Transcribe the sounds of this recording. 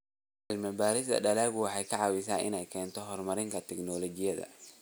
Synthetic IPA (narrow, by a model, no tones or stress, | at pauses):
ɐlmɐbaːɾɪsɐ̰ɖɐlaːɣʊwɑħɑjkʰɐʕɑwɪsaːnʔɪ̰nɛjkʰɛːnt̪ʰɔɦɔrmɐɾɪŋkʰɐt̪ʰɛɡnɔlɔt͡ʃɪjɐðɐ̰